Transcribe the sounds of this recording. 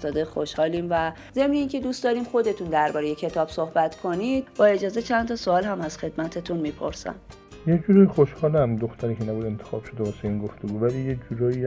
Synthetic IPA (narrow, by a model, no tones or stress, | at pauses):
t̪ɒːd̪exoʃhɒːliːmvæ | ze̞mne̞iːŋcʰe̞d̪uːst̪d̪ɒːɾiːmxo̞d̪e̞t̪ʰund̪æɾbɒːɾeje̞cʰe̞t̪ʰɒːb̥so̞hbæt̪kʰo̞nid̪̥̚bɒːe̞d͡ʒɒːze̞t͡ʃʰænt̪ʰɒːsoɒːlhæmæz̥xe̞d̪mæt̪ʰet̪ʰunmiːpʰo̞̰ɾsæ̰m | jed͡ʒuːɾɒixoʃhɒːlæmd̪oxt̪ʰæɾiːcʰenæbuːd̪ent̪ʰexɒ̰ːb̥ʃod̪evɒːseiːnɡoft̪eɡuːvæliːjed͡ʒuɾɒːi